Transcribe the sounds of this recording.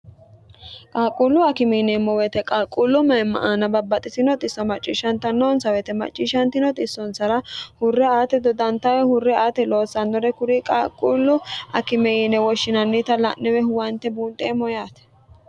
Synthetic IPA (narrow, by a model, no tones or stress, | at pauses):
kʼaːkʼulːʊɐkɪmɛnɛmːɔwɛt̪ɛkʼaːkʼːulːʊmɐjmːɐ̰ʔaːnɐbɐbːɐt̪ʼɪsɪnɔt̪ʼɪsːɔmɐt͡ʃʼːiʃɐnt̪ɐnːɔːnsɐwɛt̪ɛmɐ̰t͡ʃʼːiːʃɐnt̪ɪnɔt̪ʼɪsːɔnsɐɾɐhʊrːɛaːt̪ɛd̪ɔd̪ɐnt̪ɐwɛhʊrːɛaːt̪ɛloːsɐnːɔɾɛkʊɾikʼaːkʼulːʊɐkɪmɛjɪnɛwɔʃːɪnɐnːit̪ɐlɐ̰nːɛwɛhʊwɐnt̪ːɛbuːnt̪ʼɛmɔjaːt̪ɛ̥